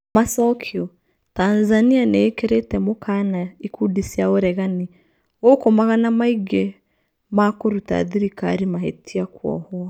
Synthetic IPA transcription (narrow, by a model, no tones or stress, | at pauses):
masɔkʰjɔ | taːnzanianeːkeɾetɛmokʰanaikudisjaoɾɛɣani | ɣokomaɣanamaiɡɛ | makoɾuta̰ðiɾikaɾimahetiakwɔ̰hɔ